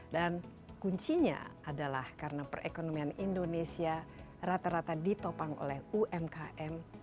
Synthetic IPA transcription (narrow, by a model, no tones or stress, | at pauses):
dan | kuɲt͡ʃiɲa̰adala̰hkarənapərʔḛkonomianindonesia | rat̪aɾat̪adit̪opaŋo̰lɛhuʔɛmkaʔɛm